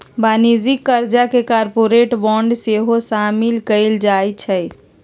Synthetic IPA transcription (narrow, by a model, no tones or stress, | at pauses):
banid͡ʒikːəɾd͡ʒakekaɾpoɾeʈbɔɳɖseɦosamilkəɪld͡ʒajt͡ʃʰɛj